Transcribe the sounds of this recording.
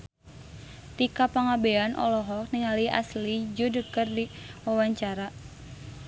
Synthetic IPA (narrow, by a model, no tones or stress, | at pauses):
t̪ikapaŋabeanʔɔ̰lɔɦɔk̚niŋalia̰slid͡ʒudəkərdiwawaɲt͡ʃaɾa